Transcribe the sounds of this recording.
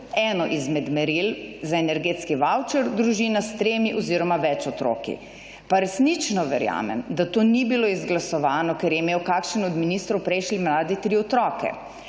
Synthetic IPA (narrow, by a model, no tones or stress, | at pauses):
ɛːnɔʔizmɛd̪mɛɾilzaenɛɾɡeːt̪skiʋawt͡ʃɛɾd̪ɾuʒiːnast̪ɾeːmiʔɔziːɾɔmaʋɛt͡ʃɔt̪ɾo̰ːkḭ | paɾɛsnit͡ʃnɔʋɛɾja̰ːmɛ̰md̪at̪oːnibiloizɡlasɔʋaːnɔkɛɾjɛmeːwkakʃənɔd̪miniːst̪ɾɔwpɾɛjʃlimlaːd̪it̪ɾiɔt̪ɾɔːkɛ̰